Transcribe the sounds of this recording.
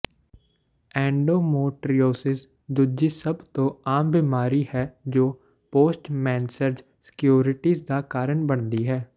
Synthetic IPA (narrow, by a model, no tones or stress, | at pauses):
ɛ̃ːɳɖoːmoːʈɾioːsɪs | d̪ʊd͡ʒiːsəbt̪õːaːmbiːmaːɾiːhɛːd͡ʒoː | poːsʈmɛ̃ːnsəɾd͡ʒ | sɪ̥kjoːɾɪʈiːzd̪aːkaːɾəɳbəɳd̪iːɦɛː